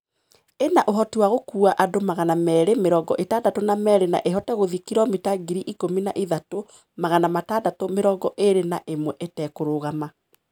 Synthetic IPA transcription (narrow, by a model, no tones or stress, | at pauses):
enaʔoɦɔtiwaɣokuːaʔadomaɣanamɛːɾemeɾɔːɡɔʔetaːndatonamɛːɾena̰ʔeɦɔtɛɣoðikiɾɔmitaɡiɾiʔikomina̰ʔiðato | maɣanamataːdatomeɾɔːɡɔʔeɾenaʔemwɛʔetɛːkoɾoɣama